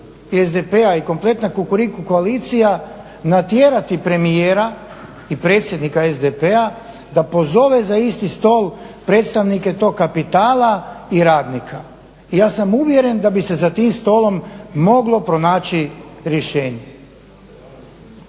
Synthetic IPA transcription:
ezd̪epeaiko̞mplˠe̞t̪nakukuɾikukoalit̪sija | nat̪jeːɾat̪ipɾe̞mijeːɾa | ipɾe̞ːt̪sʲjed̪nikaezd̪epea | d̪apo̞zo̞ʋezaist̪ist̪o̞ːlˠpɾe̞ːt̪st̪aʋnike̞t̪o̞ːkkːapit̪aːlaiɾaːd̪nikʰa | ijaːsamuʋje̞ɾe̞nd̪abise̞zat̪iːmst̪o̞lo̞mːo̞ɡlˠo̞pɾo̞naːt͡ɕiɾje̞ʃeːɲe

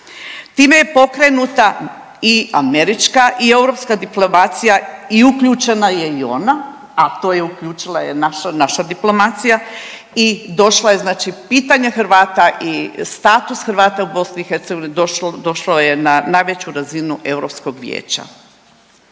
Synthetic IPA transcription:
t̪iːme̞je̞po̞kɾe̞nut̪a | ia̰me̞ɾit͡ʃkaʔie̞wɾo̞pskad̪iplomat̪sijaiukʎuːt͡ʃe̞naje̞io̞na | at̪o̞ːje̞ukʎuːt͡ʃilˠajenaʃanaʃad̪iplo̞mat̪sija | id̪o̞ʃlaje̞znaːt͡ʃipiːt̪aɲexɾ̩ʋaːt̪aʔist̪aːt̪usxɾʋaːt̪aubo̞sniixe̞ɾt̪seɡoinid̪od̪o̞ʃlojenanajʋet͡ɕuɾazinuʔe̞wɾo̞psko̞ɡʋjḛːt͡ɕa̰

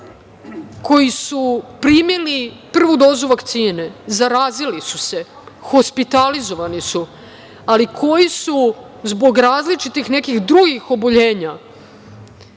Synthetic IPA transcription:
ko̞jisupɾimjilipr̩ʋud̪o̞ːzuʋakt̪siːnezaɾaːzilisuse̞ | xo̞spit̪alizo̞ʋanisu | alikʰo̞jisu | zbo̞ɡɾaːzlit͡ʃit̪ixne̞kixd̪ɾuɡixo̞boʎe̞ːɲa

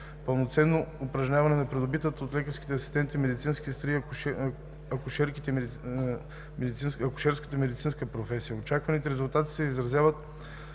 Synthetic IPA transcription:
pəlˠnot̪sɛnːoːpɾɐʒɲʲavɐnɛnɐpɾɛd̪obit̪ət̪əot̪lɛkəɾskʲi̥t̪ɛɐsist̪ɛnt̪imɛd̪it̪sinskʲist̪ɾi | ɐkʊʃɛɾkit̪ɛ | mɛd̪it̪sinɐkʊ̥ʃɛɾskə̥t̪əmɛd̪it̪sinskəpɾofɛsijəot͡ʃakvɐnit̪ɛɾɛzʊlˠt̪at̪i̥sɛizɾɐzʲjavət̪

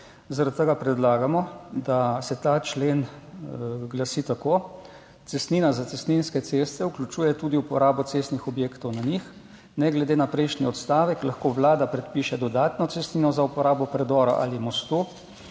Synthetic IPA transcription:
zaɾat̪̚t̪ːəɡapɾɛd̪laːɡamɔd̪asɛt̪aːt͡ʃleːn | ɡlasit̪akoː | t̪sɛst̪niːnazat̪sɛst̪ninskɛt̪sest̪ɛuklʲut͡ʃuːjɛt̪uːd̪iupɔɾaːbɔt̪sest̪nixɔbjeːkt̪ɔwnanix | nɛɡlɛd̪eːnapɾɛjʃniɔt̪st̪aːʋɛklaxkoʋlaːd̪apɾɛt̪piʃɛd̪ɔd̪aːt̪nɔt̪sɛst̪niːnɔzaupɔɾaːbɔpɾɛd̪ɔːɾa̰ʔa̰limɔst̪u

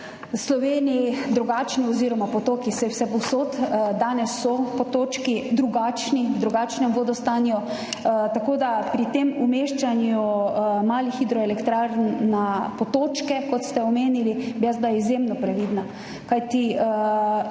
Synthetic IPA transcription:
slɔʋeːnijid̪ɾuɡaːt͡ʃniɔziːɾɔmapɔt̪oːkisɛwsɛpɔwsoːt̪d̪aːnɛsːɔpɔt̪oːt͡ʃkid̪ɾuɡaːt͡ʃnid̪ɾuɡaːt͡ʃnɛmʋoːd̪ɔst̪anjɔ | t̪akoːd̪apɾit̪eːmumeːʃt͡ʃanjumaːlixid̪ɾɔelɛkt̪ɾaɾnnapot̪oːt͡ʃkɛkɔt̪st̪ɛɔmeːnilibilazd̪ajizjemnɔpɾɛʋiːd̪na | kajt̪i

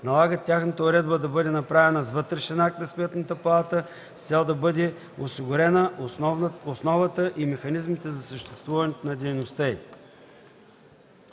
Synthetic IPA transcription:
nɐlˠaɡət̪ʲːjaxnət̪əʊɾɛd̪bəd̪ɐbɤd̪ɛnɐpɾavɛnɐzvɤt̪ɾɛʃɛnak̚t̪nɐsmɛt̪nət̪əpɐlˠat̪ə | st̪sɛlˠd̪ɐbɤd̪ɛ | osiɡʊɾɛnə | osnɔvət̪əʔimɛxɐnizmit̪ɛzɐsəʃt̪ɛ̥st̪vuvɐnɛt̪nɐd̪ɛjnost̪əi

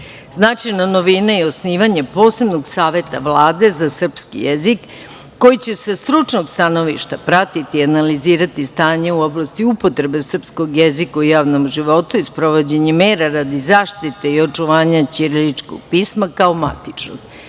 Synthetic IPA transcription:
znaːt͡ʃenano̞ʋinaio̞sniːʋaɲepo̞ːse̞bno̞ɡsaːʋe̞t̪aʋlˠaːd̪e̞zasr̩pskḭjezikː | o̞jit͡ɕe̞sest̪ɾut͡ʂno̞ɡst̪ano̞ʋḭʃt̪apɾat̪it̪iːanaliziːɾat̪ist̪aːɲeuo̞blˠast̪iupo̞t̪ɾe̞be̞sr̩psko̞ɡjezikaujaːʋno̞mʒiʋo̞t̪uispɾo̞ʋo̞d͡ʑe̞ɲemeːɾaɾad̪izaːʃt̪it̪eio̞t͡ʂuʋaːɲat͡ɕiɾlit͡ʂko̰ɡ̥̚piːsmakaoma̰t̪it͡ʂno̰ɡ̥

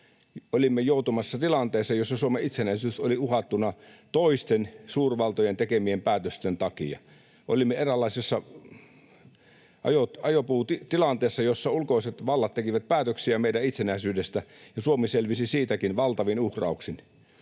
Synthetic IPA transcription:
olimːejoˑut̪umɑsːɑt̪ilɑnt̪eˑːsːɑjosːɑsuomeit̪senæˑisyːsoliuhɑt̪ːunɑt̪oist̪ensuːrʋɑlt̪ojent̪ekemiempæːt̪øst̪ent̪ɑkiɑ̰ | ʔo̰limːeerælːˑɑˑisesːɑ | ʔɑ̰joɑjopuːt̪it̪ilɑnt̪eːsːɑjosːɑulkoˑiset̪ʋɑlːɑt̪ːekiʋæt̪̚pæːt̪øksiæmeidæit̪senæˑisyːdest̪æjɑsuomiselʋisisiːt̪ækinʋɑlt̪ɑʋinuhrɑ̰ˑuksin

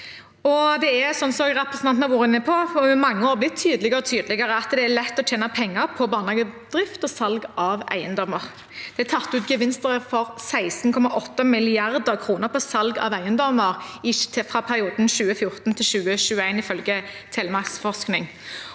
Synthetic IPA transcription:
ɔd̪ɛæsɔnsɔɡʁɛpʁəsnɑnnɑʋuːʁɾəɪnːəpʰɔɪmɑŋːəoːʁblɪt̪ʰːyːd̪lɪɡəɔt̪ʰyːd̪lɪɡəɾəɑt̪d̪ɛælɛt̪ːɔt͡ʃʰeːnəpʰɛŋːəɾpʰɔbɑːnhɑːɡəd̪̥ʁɪft̪ɔsɑlɡɑʋæ̰ɪənd̪ɔməʁ | d̪̥ɛæt̪ʰɑt̪ːʉːt̪ɡəʋɪnst̪əʁəfɔʁsæɪsn̩kʰɔmɑʔɔt̪ːəmɪlɪɑʁd̪əʁkʰɾuːnəʁpʰɔsɑlɡɑ̰ʋæɪənd̪ɔməʁɪfʁɑːpʰæʁɪuːd̪n̩ʃʉːəfjʊʁt̪n̩t̪ʰɪlʃʉːəʃʉːəæɪnɪfœlɡət̪ʰɛːləmɑksfɔʁsknɪŋ

